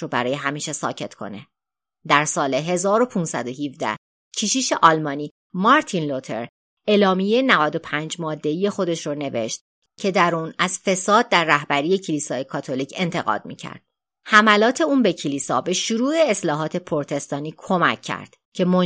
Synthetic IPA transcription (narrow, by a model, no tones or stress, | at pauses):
obæɾɒːje̞ɦæmiːʃesɒ̰ːcʰe̞t̪kʰo̞̰ne | d̪æɾsɒːleɦe̞zɒːɾo̞pʰuːnsæd̪o̞ɦivd̪æ̰h | cʰiʃiːʃe̞ʔɒːlmɒːniː | mɒɾt̪ʰinlot̪ʰe̞ɾ | elɒːmijenævæd̪o̞pʰænd͡ʒmɒːd̪ːe̞ije̞xo̞d̪e̞ʃɾone̞ve̞̰ʃt̪ | cʰe̞d̪æɾuːnæz̥fe̞sɒːd̪̚ːæɾːæhbæɾiːje̞cʰelisɒːjekʰɒːt̪ʰo̞liːcʰe̞nt̪ʰe̞ɣɒ̰ːd̪̥̚mḭcʰæ̰ɾd̪̥ | hæmælɒːt̪ʰe̞uːnbe̞cʰeliːsɒːbe̞ʃuɾuːe̞ːslɒːɦɒːt̪ʰe̞pʰoɾt̪ʰe̞st̪ɒːniːkʰo̞mæ̰cʰːæ̰ɾd̪̥ | cʰe̞mon